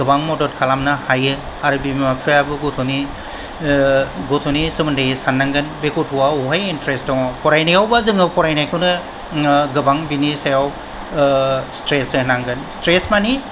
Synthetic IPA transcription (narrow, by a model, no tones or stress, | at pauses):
ɡɯbaŋmɔdɔt̚kʰalamnahajɯ | aɾɯbimapʰɯabɯɡɔtʰɔni | ɡɔtʰɔnisɯmɯndajsanːaŋɡɯnbekutʰuwawɔɦajintɾestɔŋɔpɔɾajnajawbazɯŋɯwpɔɾajnajkʰɯwnɯ | ɡɯbaŋbinisajaw | stɾesɯnaŋɡɯnstɾesmani